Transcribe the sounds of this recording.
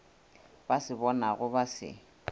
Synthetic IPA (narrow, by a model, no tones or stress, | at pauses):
b̥asɪbɔnaɣʊbasɪ̰